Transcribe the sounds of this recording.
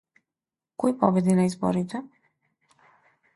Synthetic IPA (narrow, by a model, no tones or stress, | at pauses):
kɔjpɔbɛd̪inaizbɔ̰ɾit̪ɛ